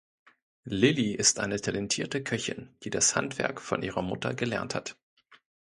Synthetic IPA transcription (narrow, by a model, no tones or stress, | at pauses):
lɪliʔɪstʔa̰ɪnətʰalɛntʰiːɐtəkʰœçɪ̰nd̥iːdasha̰ntv̥ɛɐkfɔ̰nʔḭːʁ̞ɐmʊtɐ̰ɡəlɛɐnthat